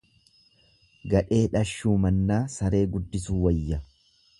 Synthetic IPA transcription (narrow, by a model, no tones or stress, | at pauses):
ɡɐᶑe̞ːᶑɐʃːuːmɐnːaːsɐɾe̞ːɡʊd̪ːɪsuːwɐjːɐ